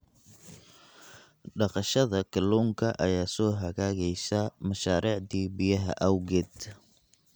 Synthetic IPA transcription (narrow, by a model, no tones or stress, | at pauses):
ɖɑqɑʃɐðɐkʰɐluːŋkʰɐʔɐjaːsɔːɦɐɣaːɣɛjsɐmɐʃaːɾiːʕd̪iːbɪjɐɦɐ̰ʔɐwɡɛːd̪